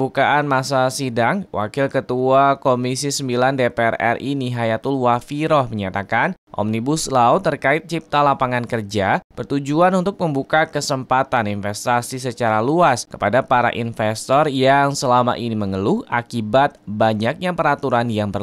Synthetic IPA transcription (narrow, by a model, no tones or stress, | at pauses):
bukaʔanmasasidaŋwʔa̰kɪlkət̪uakomisisəmbilandepeɛrɛ̰riniɦajat̪ulwafiɾɔhməɲat̪akanʔɔ̰mnibʊslaʊt̪ːərkaɪt̪̚t͡ʃip̚t̪alapaŋankərd͡ʒapərt̪ud͡ʒuanunt̪ʊk̚məmbukakəsəmpat̪aninfɛst̪asisət͡ʃaɾaluaskə̥padapaɾa̰ʔinfɛst̪ɔrjaŋsəlama̰ʔiniməŋəlʊhakibat̪̚baɲak̚ɲapəɾat̪uɾanjaŋpər